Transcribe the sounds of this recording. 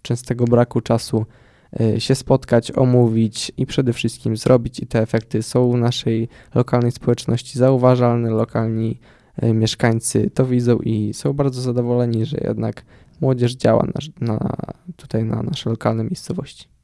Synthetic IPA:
t͡ʂɛ̃nst̪ɛɡɔbɾakut͡ʂasu | ɕɛspɔt̪kat͡ɕɔ̰muvʲit͡ɕipʂɛd̪ɛfʂɘst̪̚kʲimzɾɔbʲit͡ɕit̪ɛːfɛk̚t̪ɘsɔ̃w̃vnaʂɛj | lɔkalnɛjspɔwɛt͡ʂnɔɕt͡ɕizauvaʐalnɛlɔkʰalɲi | mʲjɛʂkaɲt̪sɘ̰t̪ɔvʲid̪zɔ̃w̃ʔisɔ̃w̃baɾd̪zɔzad̪ɔvɔlɛɲiʐɛ̰jɛ̰d̪nak | mwɔd͡ʑɛʐd͡ʑawa̰na̰na̰t̪u̥t̪ajna̰naʂɛlɔkalnɛmʲjejst̪sɔvɔ̰ɕt͡ɕi̥

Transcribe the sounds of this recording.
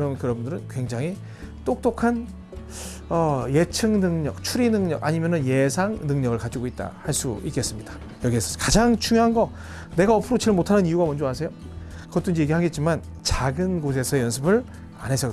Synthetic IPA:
ʌnɯnkɯɾʌbundɯɾɯnkwe̞ŋd͡ʑaŋɦi | t͈ok̚t͈okʰan | ʌje̞t͡ɕʰɯŋnɯŋɲʌk̚t͡ɕʰuɾinɯŋɲʌɡʔa̰ɲimjʌnɯnje̞sʰaŋnɯŋɲʌɡɯɭkad͡ʑiɡoit̚t͈a̰haɭs͈ṵik͈e̞s͈ɯmɲid̥a | jʌɡiesʰʌkad͡ʑaŋt͡ɕuŋjoɦanɡʌ | ne̞ɡaʌpʰɯɾot͡ɕiɭmotʰanɯnijuɡamʌnd͡ʑowasʰe̞jo | kɯʌt͈ɯnd͡ʑije̞ɡiɦaɡe̞t̚t͡ɕ͈iman | t͡ɕaɡɯnɡos̬ʰe̞sʰʌejʌnsʰɯbɯɭ | a̰nɦe̞s͈ʰʌ

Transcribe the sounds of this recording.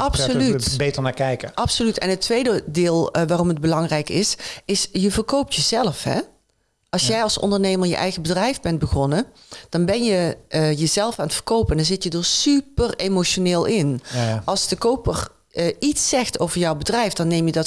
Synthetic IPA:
ʔɑpssolytbejtəɹnaːkɛjkəʔɑpsolytɛ̰nɦətːʋejdədeːlˠʋaːrɔmɦəd̚bəlɑŋrɛjkɪsɪsjəvərkowp̚tjəzɛləfɦɛ̰ | ʔɑlˠsjɛjɑlˠsɔ̰ndərnejməɹjə̰ʔɛ̰jɣəbədrɛjfbɛnt̚bəɣɔnə | d̥ɑnbɛnjəjəzɛlˠəfaːnətfərkowpəndɑnzɪtjədoːɹsypəremoʃoneːlˠʔɪnʔɑlˠsdəkowpər | itsɛxtowvəɹjɔwbədrɛjfdɑnːejmjədɑt

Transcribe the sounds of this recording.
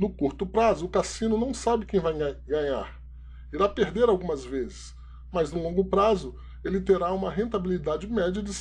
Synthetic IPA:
nʊkuɾt̪ʊpɾazʊːkasĩnʊnɐ̃w̃sabɪkẽj̃vajɡɡɐ̃ɲa̰ɾ | iɾapeɾd̪eɾawɡũmɐzvezɪs | mɐznʊlõŋɡʊpɾazʊ | elɪt̪eɾaũmɐɦẽnt̪abilid̪ad͡ʒɪmɛd͡ʒɐd͡ʒɪs

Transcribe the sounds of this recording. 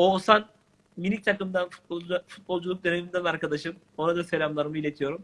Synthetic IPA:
osan | minʲic̚t̪ʰakɯmd̪anfu̥t̪̚bofut̪̚bo̞lˠd͡ʒulˠuk̚d̪e̞nemind̪ɛbiaɾkad̪aʃɯm | o̞nad̪ase̞lʲamlˠaɾɯmɯilʲet̪ʰijo̞ɾum

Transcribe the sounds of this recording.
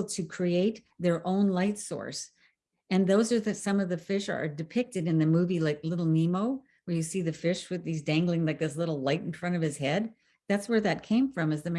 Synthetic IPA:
l̩ˠtʰɨkʰɹ̥ieɪt̪̚ | ðə˞ʔõʊ̃nlaɪtsɔ̰ɹs | ɨ̃nðoʊzə˞ðɨsʌ̃mʌvðɨfɪʃə̰˞dɨpʰɪk̚tɨɾɨ̃nðɨmuvilaɪklɪɾl̩ˠnimoʊ | wə˞jɨsiðɨfɪʃwɨðizdæ̃ŋɡlˠɪ̃ŋlaɪk̚ðɪslɪɾl̩ˠlaɪɾn̩fɹʌ̃ɾ̃ʌv̥ɨz̥hɛd̚ | ðætswə˞ðɨt̚kʰẽɪ̃ɱfɹʌ̃mɨzðɨm

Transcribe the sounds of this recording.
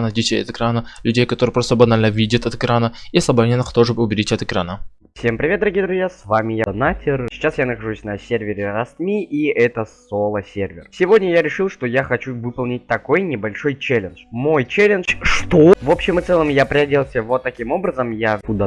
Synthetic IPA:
nədʲɪt͡ɕʲeɐ̰t̪ɨkɾanəlʲʉdʲejkɐt̪oɾɨjpɾost̪əbɐnalʲnəvʲidʲət̪ɐt̪ɨkɾanəisəbɐnʲenəxt̪oʐɨbɨʊbʲɪɾʲitʲɐt̪ɨkɾanə | fsʲempɾʲɪvʲet̪̚d̪əɾɐɡʲijd̪ɾʊzʲjasvamʲɪjanatʲɪrsʲɪ̥t͡ɕasjanəxɐʐusʲnɐsʲervʲɪɾʲɪɾɐst̪mʲiiɛt̪əsolˠəsʲervʲɪ̰rsʲɪvo̞dʲnʲəjaɾʲɪʂɨlˠʂt̪o̞jaxɐt͡ɕuvɨpəlˠnʲɪt̚ʲt̪ɐko̞jnʲɪbɐlʲʂo̞jt͡ɕelʲɪnʂmo̞jt͡ɕelʲɪnʂʂt̪ovo̞pɕːɪmɨt̪sɛlˠəmjapɾʲɪɐdʲelˠsʲəvot̪ːɐkʲimo̞bɾəzəmjaʊd̪a

